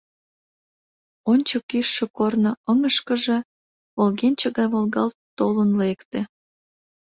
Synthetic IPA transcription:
onʲt͡ɕəkyʃːekornoəŋəʃkəʒe̽ | βolɣenʲt͡ɕəɣɑjβolɣɑlt̪t̪olənlekt̪e

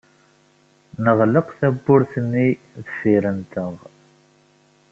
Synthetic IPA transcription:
nəʁləqθæbːʊɾθənːi | ðəsiɾənt̪əʁ

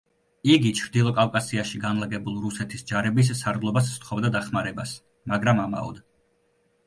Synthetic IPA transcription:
iɡit͡ʃʰɾd̪ilˠɔkʼavkʼasiaʃiɡanlˠaɡɛbulˠɾusɛt̪ʰisd͡ʒaɾɛbis̬ːaɾd̪lˠɔbas̬st̪ʰχɔbd̪ad̪aχmaɾɛbas | maɡɾamama̰ɔ̰d̪

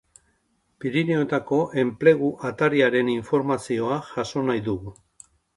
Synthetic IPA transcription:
piɾinio̞t̪ako̞ʔe̞mple̞ɣ̞uʔat̪aɾiaɾe̞niɱfo̞ɾmasio̞aʝaso̞najðuɣu

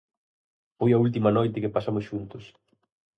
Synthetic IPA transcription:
fojɐult̪̬imɐnojt̪ɪkɪpasamʊsʃunt̪ʊs

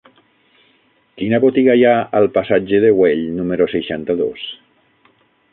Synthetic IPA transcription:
kinəβot̪iɣajaəlˠpasad͡ʒeðeweʎnumeɾoseʃant̪əðo̰s

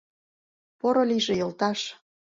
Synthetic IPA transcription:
poɾoliʒĕjɤ̆lt̪ɑʃ

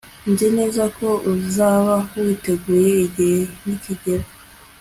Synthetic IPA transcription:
ndine̞ːzako̞uzaːβawite̞ɡuːɾe̞iɟihe̞niciɟeɾa

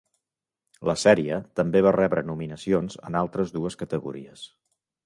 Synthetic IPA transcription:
ləsɛɾiət̪əmbeβ̞arɛβɾənuminəsionzə̰nalˠt̪ɾəzðuəskət̪əɣṵɾiəs

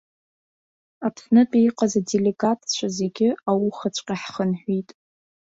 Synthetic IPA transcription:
apʰsnɨpʼiiqʼazadeleɡatʰt͡ɕʷʰaze̞ɡʲɪawuχat͡ɕʷʼqʲʼaħχənħʷitʼ

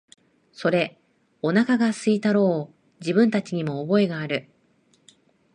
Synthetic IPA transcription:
so̞ɾe̞ | onakaɡasɨit̪aɾo̞ː | d͡ʑibɯ̟̃nt̪at͡ɕiɲ̟imo̞ːbo̞e̞ɡaːɾɯ̟

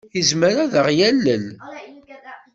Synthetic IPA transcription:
izməɾaðəʁjælːəl

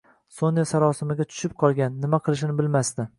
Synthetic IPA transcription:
sonjasaɾɒsɪmɪɡʲat͡ʃ̪ʰʊ̥ʃɪp̚qʰɒlˠɡʲanːɪmaqʰɨlˠɪʃ̬ɪnɪbɪlmast̪ɪ

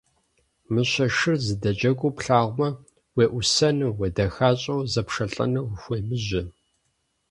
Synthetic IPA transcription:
mɨɕɐʃɨrzɨdɐt͡ʃʼɐɡʷuːpɬaːʁʷmɐ | weːʔʷʊsɐnɨwedɐxaːɕʼɐwzɐpʂɐɬʼɐ̰nɨwʷʊxʷeːmɨʑɪ

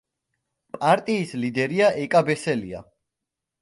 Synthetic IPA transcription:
pʼaɾt̪ʼiːslid̪ɛɾiaʔɛkʼabɛsɛlḭa̰

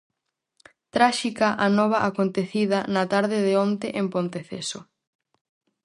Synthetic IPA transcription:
t̪ɾaʃikɐʔanɔβ̞ɐʔakont̪eθiðɐnɐt̪aɾðɪðeont̪eʔempont̪eθḛso

